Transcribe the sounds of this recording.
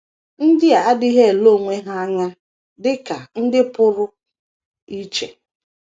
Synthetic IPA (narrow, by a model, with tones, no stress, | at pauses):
n̩˦dɪ˦a˨a˦di˦ɦe˦e˨lo˦˨ŋʷe˦ɦa˦a˦ɲa˦ | dɪ˦ka˨n̩˦dɪ˦pʊ˦ɾʊ˦ | i˦t͡ʃḛ˨